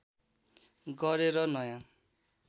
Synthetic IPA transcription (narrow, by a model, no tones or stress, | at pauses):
ɡʌɾeɾʌnʌjã